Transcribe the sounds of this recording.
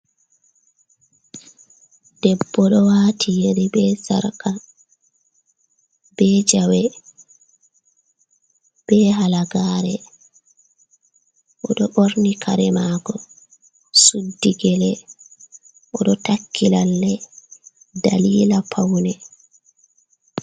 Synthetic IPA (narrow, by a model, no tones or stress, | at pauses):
d̥ɛbːɔɗɔwaːtʰijeɾibɛsa̰ɾka | b̥ɛd͡ʒawɛ | b̥ɛɦalaɡaːɾɛ | ʔɔɗɔʔoɾnikʰaɾɛmaːɡɔ | sudːiɡɛlɛ | ʔɔɗɔtakʰːilalːɛ | da̰liːlapʰawnɛ